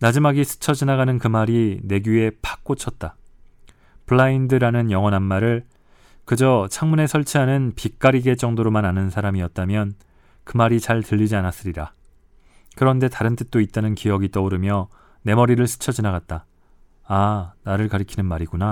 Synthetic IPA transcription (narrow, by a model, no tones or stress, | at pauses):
nad͡ʑimaɡisʰɯ̥t͡ɕʰʌd͡ʑinaɡanɯnkɯmaɾine̞ɡye̞pʰḁk̚k͈ot͡ɕʰʌt̚t͈a | pɯɭːaindɯɾanɯnjʌŋʌnɦanmaɾɯɭ | kɯd͡ʑʌt͡ɕʰaŋmune̞sʰʌɭt͡ɕʰiɦanɯnpik͈aɾiɡe̞t͡ɕ͈ʌŋdoɾomananɯnsʰaɾamiʌt̚t͈amjʌn | kɯmaɾit͡ɕaɭtɯʎːid͡ʑianas͈ɯɾiɾa | kɯɾʌnde̞taɾɯnt͈ɯt̚t͈oit̚t͈anɯnkijʌɡit͈ʌoɾɯmjʌ | ne̞mʌɾiɾɯɭsʰɯ̥t͡ɕʰʌd͡ʑinaɣat̚t͈aː | naɾɯɭkaɾɯkʰinɯnmaɾiɡuna